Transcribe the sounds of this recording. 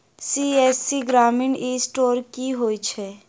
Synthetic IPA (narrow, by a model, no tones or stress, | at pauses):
siːɛːsːiɡɾaːmɪɳiːsʈoːɾkiɦoːit͡ʃʰɛː